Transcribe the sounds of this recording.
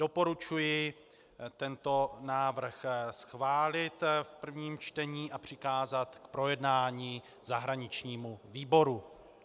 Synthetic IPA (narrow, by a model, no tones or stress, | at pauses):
d̥o̞po̞ɾut͡ʃujɪ | t̪ɛnt̪o̞naːvr̩xsxvaːlɪt̪fpr̩vɲiːmt͡ʃt̪ɛɲiːʔapr̝̥ɪkaːzat̪kpɾo̞jɛdnaːɲiː | zaɦɾaɲɪt͡ʃɲiːmuviːbo̞ɾu